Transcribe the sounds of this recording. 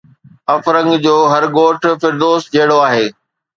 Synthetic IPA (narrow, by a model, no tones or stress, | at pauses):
ɐfɾə̃ŋɡd͡ʑoːɦɐɾɡoːʈʰfɪɾd̪oːsd͡ʑɐɦɪɽoaːɦeː